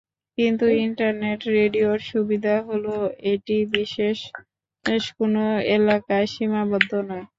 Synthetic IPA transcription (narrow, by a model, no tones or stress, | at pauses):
kint̪uiɳʈaɾneʈɾeɖioɾʃubid̪ʱaɦoloeʈibiʃeʃ | eʃkonoelakaeʃimabod̪ʱːonɔe